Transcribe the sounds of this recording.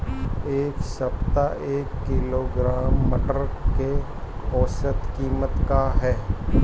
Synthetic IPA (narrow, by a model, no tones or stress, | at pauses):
eːksɐpt̪aʔeːkːɪloɡɾaːmːəʈəɾke | ɔːsət̪kiːmət̪kaɦɛː